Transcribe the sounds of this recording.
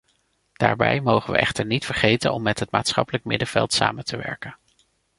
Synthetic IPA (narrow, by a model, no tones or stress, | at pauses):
d̥aːɹbɛjmowχəʋə̰ʔɛχtəɹnitfəɹχejtənɔmːɛtɦətmaːtsχɑpələk̚mɪdəv̥ɛlˠtsaːməntʰəʋɛɹkən